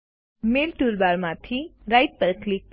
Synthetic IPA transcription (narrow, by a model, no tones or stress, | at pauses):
melʈuɾbaɾmãt̪ʰiɾajʈ̚pəɾklik̚